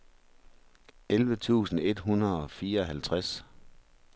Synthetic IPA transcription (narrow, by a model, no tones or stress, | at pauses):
elʋət͡sʰṵːsn̩e̝d̥ɦunɐð̩ˠɒ̽fiːɐɒ̽ɦælt͡sʰʁas